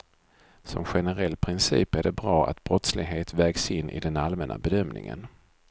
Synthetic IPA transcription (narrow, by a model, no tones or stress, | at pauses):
sɔ̰mɧɛnəɾɛlːpʰɾɪnsḭːpæɖɛbɾɑːa̰t̪bɾɔt̪slɪɡɦeːt̪vɛːɡsɪnːʔɪ̰d̪ɛnalmɛna̰bɛd̪œmnɪ̰ŋə̰n